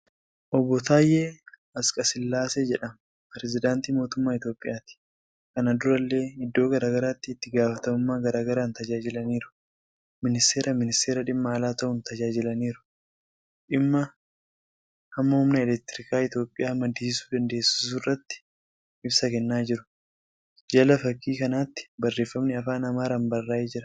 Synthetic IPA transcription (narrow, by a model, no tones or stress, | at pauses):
ʔɔbːɔt̪aːjːeː | ɐskʼɐsɪlːaːsed͡ʒɛᶑɐm | pɛɾɛzɪd̪aːnt̪iːmo̞ːt̪ʊmːaːɪt̪jo̞ːpʼːɪjaːt̪ɪ̥ | kɐnɐd̪ʊɾɐlːe̞ːɪd̪ːo̞ːɡɐɾaːɡɐɾaːt̪ːɪːt̪ːɪɡaːfɐt̪ɐmʊmːaːɡɐɾaːɡɐɾaːnt̪ɐd͡ʒaːd͡ʒɪlɐniːɾʊ̥ | mɪnɪst̪eːɾɐmɪnɪst̪eːɾɐᶑɪmːɐːlaːt̪ɐʔʊnt̪ɐd͡ʒaːd͡ʒɪlɐniːɾʊ̥ | ᶑɪmːɐ | hɐmːɐhʊmnɐɛlɛk̚t̪ɪɾɪkaːɪt̪jo̞ːpʼːɪjaːmɐd̪isɪsu̥ːd̪ɐnd̪e̞ːsɪ̥s̬ʊrːɐt̪ːɪ̥ | ʔɪbsɐkɛnːaːd͡ʒɪɾʊ̥ | d͡ʒɐlɐfɐkːiːkɐnaːt̪ːɪ̥bɐrːe̞ːfːɐmnɪɐfaːnɐmaːɾɐmbɐrːaːed͡ʒɪɾɐ